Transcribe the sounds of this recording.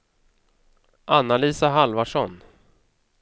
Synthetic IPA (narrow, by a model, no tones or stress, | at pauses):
ʔanːaliːsaɦalvaʂɔn